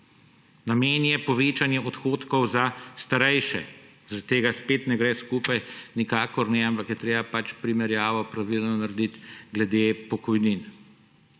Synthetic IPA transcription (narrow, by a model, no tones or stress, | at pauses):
nameːnjɛpɔʋeːt͡ʃanjɛʔɔt̪xoːt̪kɔwzast̪aɾɛjʃɛ̰ | zaɾat̪̚t̪ːeːɡaspeːt̪nɛɡɾɛskuːpajnikaːkɔɾnɛampakjɛt̪ɾeːbapat͡ʃpɾimɛɾjaːʋɔpɾaʋilnɔnaɾd̪it̪ɡlɛd̪epɔkɔjnin